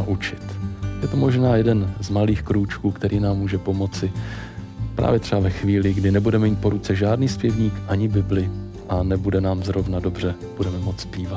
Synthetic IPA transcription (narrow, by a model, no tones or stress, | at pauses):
aʔut͡ʃɪt̪jɛt̪omo̞ʒnaːjɛdɛnzmaliːxkɾut͡ʃkuːkt̪ɛɾʔiːnaːmːuːʒɛpo̞mo̞t͡sɪ | pɾʔa̰ːvjɛt̪r̥ɛbavɛxviːlɪɡdɪnɛbudɛmɛmiːt̪̚po̞ɾut͡sɛʒaːdniːspjɛvɲiːkʔaɲɪbɪblɪ | ʔanɛbudɛnaːmzɾo̞vnado̞br̝ɛ | b̥udɛmɛmo̞t͡sspiːvat̪